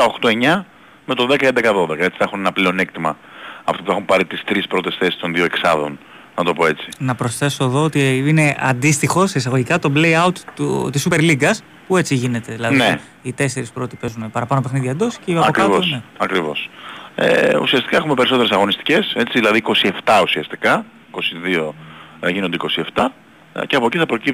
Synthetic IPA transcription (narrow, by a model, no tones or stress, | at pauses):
t̪ɐo̞xt̪o̞e̞ɲɐ | me̞t̪o̞ðe̞kɐend̪ekɐðo̞ðekɐet͡si̥θexunenɐpleo̞ne̞k̚t̪imɐɐft̪opuexumpɐɾit̪ist̪ɾispɾo̞t̪e̞sθe̞si̥st̪o̞nðioeksɐðo̞̰n | nɐt̪o̞po̞e̞t͡sinɐpɾo̞sθe̞soeðoot̪iine̞ɐ̰nd̪ist̪ixo̞sisɐɣo̞ʝikɐt̪o̞blejɐut̪ṵt̪isːupe̞ɾliɡɐs | pue̞t͡siʝine̞t̪e̞ðilɐðne | it̪e̞se̞ɾispɾot̪ipe̞zunepɐɾɐpɐnope̞xniðiɐnd̪o̞sceɐɐokɾiɐvosneɐkɾivo̞̰sḛṵsiɐst̪i̥kɐe̞xume̞pe̞ɾiso̞t̪eɾesɐɣo̞nist̪i̥ce̞se̞t͡siðilɐðiko̞sie̞ft̪ɐusiɐst̪i̥kɐ | ko̞siðio̞ʝinond̪eiko̞sie̞ft̪ɐ | ceɐpo̞ciθɐpɾo̞cip